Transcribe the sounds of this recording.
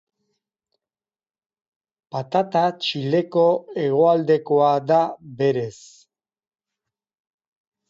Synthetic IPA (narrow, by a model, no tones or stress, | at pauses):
pat̪at̪at͡ʃile̞ko̞e̞ɣo̞ald̪e̞ko̞aðaβe̞ɾe̞s